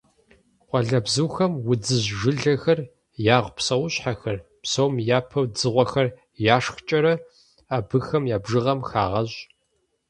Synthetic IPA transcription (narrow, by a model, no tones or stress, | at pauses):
qʷɑɮɐbzɨwxɐmwʊd͡zɨʑɨɮɐxɐr | jaːʁʷpsɐwɕħaxɐr | psowmjaːpʰɐwd͡zɨʁʷɔxɐr | jaːʂxt͡ʃʼɐɾɐ | aːbɨxɐmjaːbʐɨʁɐmxa̰ːʁɐʑ